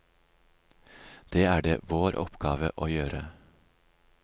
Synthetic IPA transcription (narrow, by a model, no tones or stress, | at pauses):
d̪̥eːæːɖḛːʋoːɾʔɔ̰pɡ̥ɑːʋəʔoːjøːɾə